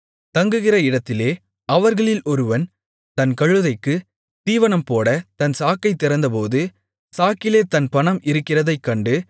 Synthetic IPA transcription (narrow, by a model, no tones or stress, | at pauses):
t̪ɐŋɡɯɣɪrɐɪɽɐt̪ːɪleː | ɐʋɐɾɣɐɭɪlɔɾɯʋɐn | t̪ɐnkɐɻɯðɐɪkːɯ | t̪iːʋɐnɐmpoːɽɐt̪ɐnsaːkːɐɪt̪ːɪɾɐnd̪ɐpoːðɯ | saːkɪleːt̪ɐnpɐɳɐmʔɪɾɯkːɪrɐðɐɪkːɐɳɖɯ